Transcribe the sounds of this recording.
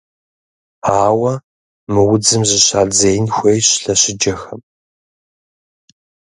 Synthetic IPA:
aːwɐ | mɨwʊd͡zɨmzɨɕaːɮd͡zejnxʷeːjɕɬɐɕɪd͡ʒɐxɐm

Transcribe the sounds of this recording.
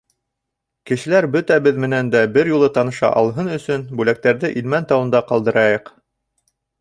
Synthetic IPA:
kɘ̆ʃɘ̆læɾbɵt̪æbɘðmɘ̆nænd̪æbɘɾjulˠɤt̪ɑnɤ̆ʃɑ̰ʔɑlˠɦɤnɵ̆sɵnbʉlæk̚t̪æɾðɘʔilmænt̪ɑwɤ̆nd̪ɑqɑlˠd̪ɤ̆ɾɑjɤq

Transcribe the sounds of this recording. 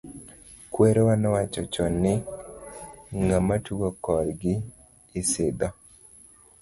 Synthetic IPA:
kweɾɔwanɔwat͡ʃɔt͡ʃɔnɪ | ŋamatuɡokɔɾɡɪː | sɪd̪ɔ

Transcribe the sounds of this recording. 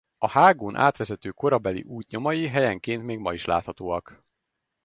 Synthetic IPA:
ɒhaːɡoːnʔa̰ːt̪ʋɛzɛt̪øːko̞ɾɒbɛlḭʔuːc̪ɲo̞mɒjiɦɛjɛŋkeːnt̪meːɡmɒiʃla̰ːt̪hɒt̪oːɒk

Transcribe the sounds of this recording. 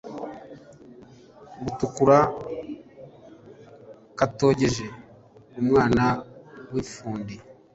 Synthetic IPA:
ɡutukuɾa | kato̞ːɟe̞ʒe | umŋaːnawifuːndi

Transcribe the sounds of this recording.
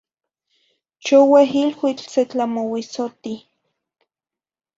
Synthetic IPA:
t͡ʃoweɦilwit͡ɬset͡ɬamowisot̪i

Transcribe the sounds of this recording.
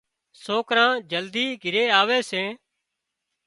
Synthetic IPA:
soːkɾãːd͡ʒəld̪iːɡʱɪɾeːaːʋeːsẽː

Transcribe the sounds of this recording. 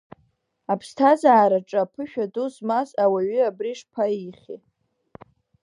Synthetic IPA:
apʰstʰazaːɾaʈ͡ʂʼapʰɨʃᶣaduzmazawaɥyabriʂpʰaiχʲḭ

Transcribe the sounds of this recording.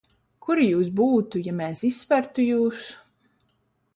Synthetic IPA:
kʰuɾijuːs̬buːt̪ujamɛːsisːpæɾt̪ujuːs

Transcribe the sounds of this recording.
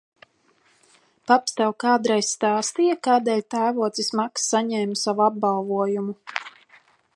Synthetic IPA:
papst̪ɛwkaːd̪ɾajsːt̪aːst̪ijakaːd̪ɛːlʲt̪æːvuɔt̪sismaksːaɲɛːmsavuab̚bɑlˠvuɔjumu

